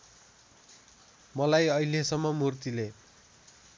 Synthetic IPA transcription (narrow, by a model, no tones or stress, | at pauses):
mʌlajʌilesʌmːʌmurt̪ile